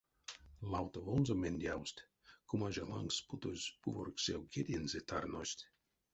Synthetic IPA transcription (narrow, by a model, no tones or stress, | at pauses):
lˠawt̪ovonzomʲenʲd̪ʲawsʲt̪ʲ | kʰumaʒalˠa̰ŋksput̪ozʲb̥uvorksʲewɡʲed̪ʲenzʲet̪ʰarnosʲt̪ʲ